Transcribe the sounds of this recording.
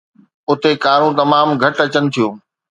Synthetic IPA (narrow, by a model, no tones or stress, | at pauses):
ʊt̪ekaːɾõt̪ɐmaːmɡʱɐʈɐt͡ɕənɪ̆t̪ʰijoː